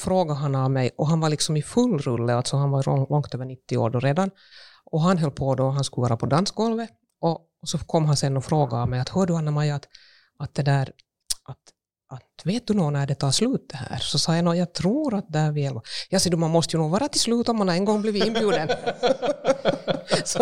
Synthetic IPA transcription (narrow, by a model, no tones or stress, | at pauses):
fɾoːɡaɦanamɛjʔɔɦanvalɪksɔmɪfɵlːɾɵlːəalt̪sɔhanvalɔŋkt̪øːvəɳɪt̪ːɪo̰ːɖɔɾeːd̪an | ɔɦanɦœlːpʰɔd̪ɔɦanskɵləvɑːɾapʰɔd̪ansɡɔlvə | ʔɔ | sɔkʰɔmːɦansɛnːɔfɾoːɡaːmɛjat̪hœːɖɵanːamajat̪ | at̪̚d̪ɛd̪æːɾ | ʔat̪ | ʔat̪veːt̪̚d̪ɵnɔːnæɖɛt̪ʰɑːʂlʉ̟ːt̪̚d̪̥ɛhæ̰ːɾsɔsɑːjanoːjɑːt̪ʰɾuːɾat̪̚d̪ɛhæːɾvɪɛlvɑjɑːsɛd̪ʉmanmɔst̪əjʉnuːvɑːɾat̪ɪlslʉːt̪ɔmːɛnaɾɛnɡɔŋːblɪvɪnbjʉːd̪ən | sɔ